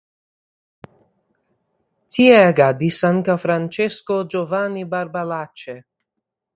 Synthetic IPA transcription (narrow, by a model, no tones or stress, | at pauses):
t͡siɛɡad̪isaŋkafɾant͡ʃɛskod͡ʒovanibaɾbalat͡ʃe